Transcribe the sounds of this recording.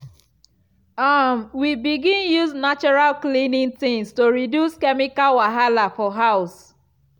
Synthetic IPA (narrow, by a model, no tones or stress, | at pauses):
amwibiɡĩnjuznat͡ʃɔɹalklĩnĩŋtĩŋstoɹidjuskɛmikalwaɦalafɔɦaʊs